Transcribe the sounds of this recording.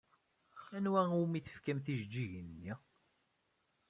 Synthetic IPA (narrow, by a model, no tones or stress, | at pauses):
ænwæuwmiθə̥fkæmθiʒd͡ʒːiʝənːi